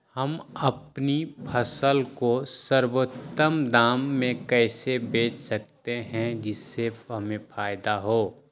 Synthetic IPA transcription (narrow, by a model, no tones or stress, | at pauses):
hɐmɐpnipʰɐsəlkosəɾwot̪ːəmd̪aːmːẽkɛːsebeːt͡ʃsɐk̚t̪eɦɛ̃d͡ʒɪsːeɦɐmẽfʰaːjd̪aɦoː